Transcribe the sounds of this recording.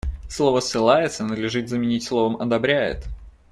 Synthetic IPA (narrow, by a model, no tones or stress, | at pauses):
slˠo̞vəsːɨlˠajɪt̪sənəd̪lʲɪʐɨt̪zəmʲɪnʲitʲslˠo̞vəmɐd̪ɐbɾʲæjɪ̰t̪